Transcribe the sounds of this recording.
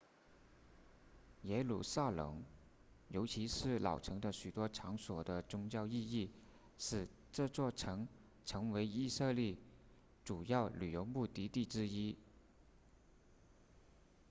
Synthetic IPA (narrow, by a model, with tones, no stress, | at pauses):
jɛ˧˥lṵ˨˩sa˥˩lə̰˧˥ŋ | jo˧˥ʊt͡ɕʰi˧˥ʂɻ̩˥˩lɑ̰˨˩ʊʈ͡ʂʰɤ˧˥ŋd̪ə˧ɕy˨˩t̪wɔ˥ʈ͡ʂʰɑ˧˥ŋswɔ˨˩d̪ə˦t͡sʊ˥ŋt͡ɕjɑ˥˧ʊi˥˧i˥˩ | ʂɻ̩˨˩ | ʈ͡ʂɤ˥˧t͡swɔ˥˩ʈ͡ʂʰɤ˧˥ŋ | ʈ͡ʂʰɤ˧˥ŋwe˧˥ɪi˥˧sɤ˥˧li˥˩ | ʈ͡ʂu˨˩jɑ˥˩ʊly˨˩jo˧˥ʊpu˥˩t̪i˧˥t̪i˥˩ʈ͡ʂɻ̩˥i˥